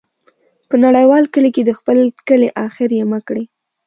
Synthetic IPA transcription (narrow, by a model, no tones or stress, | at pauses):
pənaɽajwɑlkəliked̪əxpəlkəleʔɑxɪɾjeməkɽi